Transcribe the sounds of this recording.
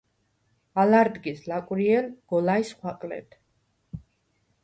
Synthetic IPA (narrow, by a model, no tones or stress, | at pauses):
alaɾd̪ɡislakʼwɾiɛlɡ̥ɔlaisχwaqʼlɛ̰t̪ʰ